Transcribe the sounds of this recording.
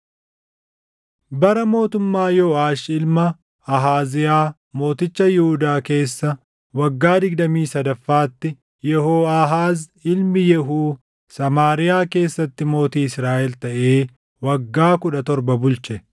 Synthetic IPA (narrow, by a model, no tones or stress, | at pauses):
bɐɾɐmo̞ːt̪ʊmːaːjɔaːʃɪlmɐː | ɦaːzɪjaː | mo̞ːt̪ɪt͡ʃːɐjɪhʊd̪aːke̞ːsːɐ | wɐɡːaːd̪ɪɡd̪ɐmiːsɐd̪ɐfːaːt̪ːɪ | jɛɦoːaɦaːz | ɪlmɪjɛɦuː | sɐmaːɾɪjaːke̞ːsːɐt̪ːɪmo̞ːt̪iːɪsɾaːʔɛlt̪ɐʔe̞ː | wɐɡːaːkʊᶑɐt̪ɔɾbɐbʊlt͡ʃɛ